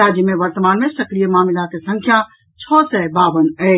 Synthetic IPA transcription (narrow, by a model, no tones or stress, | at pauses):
aːd͡ʒjəmẽʋəɾt̪əmaːnmẽsəklijəmaːmɪd̪akesə̃ŋkʰja | t͡ʃʰɔːsɛbaːʋənɛ